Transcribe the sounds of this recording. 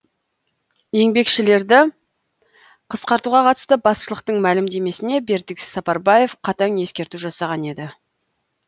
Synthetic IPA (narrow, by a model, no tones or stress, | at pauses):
je̞ŋbe̞kʃɪle̞ɾd̪ɪ | qʰəsqɑɾt̪uʁɑqʰɑt̪əst̪əbɑsʃəlˠəq̚t̪əɴmælɪmd̪e̞me̞sɪne̞be̞ɾd̪ɪkʲsɑpɑɾbɑje̞fqʰɑt̪ɑŋje̞skʲe̞ɾt̪uʒɑsɑʁɑne̞d̪ɪ